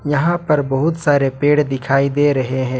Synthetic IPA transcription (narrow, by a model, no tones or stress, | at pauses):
jɐɦãpɐɾbɐɦʊt̪saːɾepeːɽd̪ɪkʰaːid̪eːɾɐɦeɦɛ̃ː